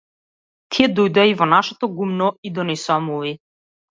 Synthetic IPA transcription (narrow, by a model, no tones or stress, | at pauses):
t̪ʰiɛd̪ɔjd̪oaivɔnaʃɛt̪ɔɡumnɔid̪ɔnɛsoamuvi